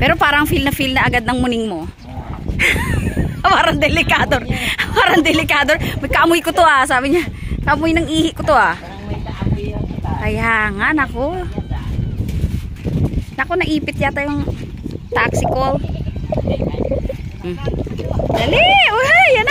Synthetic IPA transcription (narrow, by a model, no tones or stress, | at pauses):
pɛːɾo̞paːɾɐŋfilnɐfilnɐʔɐɡad̪nɐŋmʊnɪŋmo | paːɾɐŋd̪ɛlɪkad̪oɾpaːɾɐŋd̪ɛlɪkaːd̪oɹmɐkɐʔɐmʊjkot̪oʔasaːbɪɲakɐʔɐmʊjnɐŋʔiːhɪʔkot̪oʔa | kɐjaːŋaʔnɐko | nɐko̞nɐʔiːpɪt̪jat̪ɐjoŋ | t̪aksɪkol | d̪alɛjan